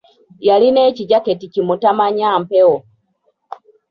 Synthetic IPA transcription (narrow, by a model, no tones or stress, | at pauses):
jaline̞ːciɟaketicimutamaɲampewo